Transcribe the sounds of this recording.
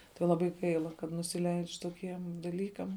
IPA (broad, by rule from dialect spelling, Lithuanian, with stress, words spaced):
tɐɪ lˠɐˈbɐɪ ˈɡɐɪlˠɐ kɐt nʊsʲɪˈlʲɛɪt͡ʃʲ toːˈkʲiɛm dɐˈlʲiːkɐm